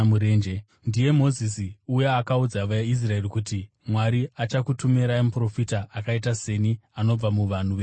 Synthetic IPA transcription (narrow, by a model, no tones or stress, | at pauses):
muɾeːnd͡ʒe | ndije̞mo̞zis̬iujaːkaud͡zaʋajais̬rae̞rikuti | mwaɾiat͡ʃakutumeɾaemupro̞fitaʔːkaitase̞niano̞b͡vamuʋan̤uʋeː